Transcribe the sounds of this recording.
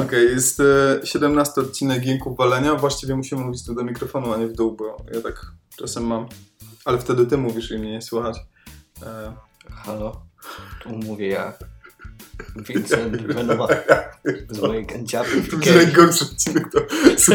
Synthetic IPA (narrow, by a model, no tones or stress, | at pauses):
ɔkɛjjɛst̪ɕɛd̪ɛmnast̪ɘɔt̪̚t͡ɕinɛɡɡʲiŋkuːalɛɲavwaɕt͡ɕivʲɛmuɕimɘmuvʲit͡ɕʲt̪ɛmd̪ɔmʲikɾɔfɔnuaɲɛvd̪uwbɔjat̪ak | t͡ʂasɛmːamalɛft̪ɛd̪ɘt̪ɘmuvʲiʂimɲɛɲɛswuxat͡ɕ | xalɔt̪ʰumuvʲjɛja̰ | vʲɛɛvɛnajaɛzmɔjikant͡ɕap̪vd͡ʑnajɡɔrʂɨɔt̪̚t͡ɕinɛkt̪ɔs